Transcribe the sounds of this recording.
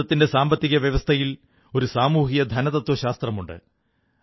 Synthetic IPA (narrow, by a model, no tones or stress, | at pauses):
ɐt̪ːinde̞saːmbɐt̪ːiɣɐʋjɐʋɐst̪ʰɐjil | o̞ɾusaːmuːɦijɐd̪ʱɐnɐðɐt̪ːwɐɕaːst̪rɐmuɳɖɨ̰